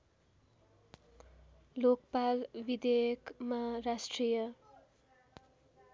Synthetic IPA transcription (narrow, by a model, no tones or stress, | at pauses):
lokpalbid̪ejʌkmarasʈrijʌ